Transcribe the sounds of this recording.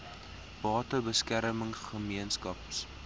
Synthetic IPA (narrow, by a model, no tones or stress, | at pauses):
b̥ɑːtəbəskæɾəməŋχəmiənskɐps